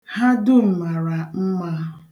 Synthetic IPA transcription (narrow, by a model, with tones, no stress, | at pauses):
ha˦dʊ˦m̩˨ma˨ɾa˨m̩˦ma˦ɦ